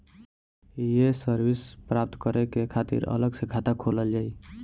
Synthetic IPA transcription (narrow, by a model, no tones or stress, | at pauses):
jesəɾbispɾap̚t̪kəɾekekʰat̪ḭɾə̰ləɡsẽkʰat̪akʰoləld͡ʒaj